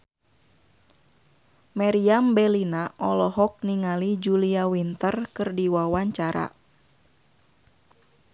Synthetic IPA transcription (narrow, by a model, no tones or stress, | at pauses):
maɾiambɛlinaʔɔlɔɦɔk̚niŋalid͡ʒuliawint̪ərkɨrdiwawaɲt͡ʃaɾa̰